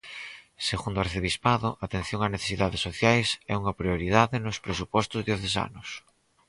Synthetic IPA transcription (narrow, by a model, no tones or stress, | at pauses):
seɣund̪oaɾθeβispaðʊʔat̪en̟θjoŋaneθe̥siðaðesoθjajsɛ̰uŋɐpɾioɾið̞aðɪnʊspɾesupɔst̪ʊzðjoθesa̰nʊs